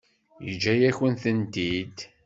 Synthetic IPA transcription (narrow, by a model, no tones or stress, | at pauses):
jə̰d͡ʒːæjæçənθənt̪id̪